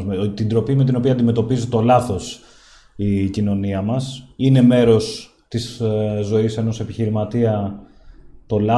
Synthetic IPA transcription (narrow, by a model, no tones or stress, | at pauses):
t̪ind̪ɾo̞pime̞t̪ino̞piɐnd̪ime̞t̪o̞pizit̪o̞lɐθo̞s | icino̞niɐmɐsine̞me̞ɾo̞s | t̪iszo̞ise̞no̞se̞piçiɾimɐt̪iɐ | t̪o̞lɐ